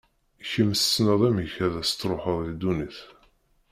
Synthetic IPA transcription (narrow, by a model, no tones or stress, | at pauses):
çəməssnəðˤæmçæðæst̪ːɾˤoħəðˤid̪uniθ